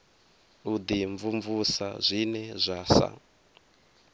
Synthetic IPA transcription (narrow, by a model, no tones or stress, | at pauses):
ud̪iɱvuɱvusa̰zʷinɛzʷasa̰